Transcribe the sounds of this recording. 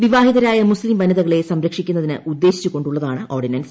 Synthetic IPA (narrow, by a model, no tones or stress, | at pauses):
ʋiʋaːɦiðɐɾaːjɐmuslimbɐnɐðɐɣɐɭe̞sɐmɾɐkʂikʲːunːɐðinɨud̪ːe̞ːɕi̥t͡ɕːuko̞ɳɖuɭːɐðaːɳɨʔo̞ːrɖinɐns